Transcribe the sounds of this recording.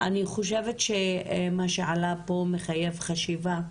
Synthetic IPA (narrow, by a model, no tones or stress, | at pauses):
ʔaniχoʃevetʃemaʃeʕalapo̞meχajevχaʃiva